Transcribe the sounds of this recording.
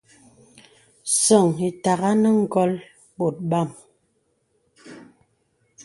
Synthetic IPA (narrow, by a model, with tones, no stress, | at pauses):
sɔ˨ŋi˨ta˨ɣa˦nə˦ŋ̩˦˨ɡɔ˦l | bo˨t̚ba˦˨m